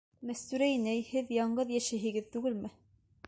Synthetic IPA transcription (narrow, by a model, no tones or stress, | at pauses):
mæst̪ʉɾænæjhɘðjɑɴɢɤðjæʃæɦɘ̆ɡɘðt̪ʉɡɘlmɘ